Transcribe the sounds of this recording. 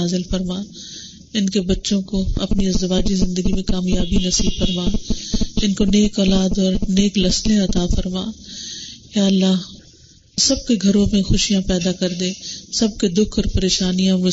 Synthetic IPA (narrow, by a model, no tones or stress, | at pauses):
aːzɪlfɐɾmaː | ɪnkebɐtːʃõkoɐ̰pniɐzzɐʋaːd͡ʒizɪ̃nd̪əɡimẽkaːmjaːbinɐsilfɐɾmaːɪnkoneːkɔːlaːd̪ɔːɾneːklɐslẽɐt̪afɐɾmaː | jaːlːaːɦ | sɐb̚keɡʱɐɾõmẽxʊʃijãpɛːd̪akɐɾd̪ẽːsɐb̚ked̪ʊkʰɔːɾpɐɾeːʃaːnijãmʊ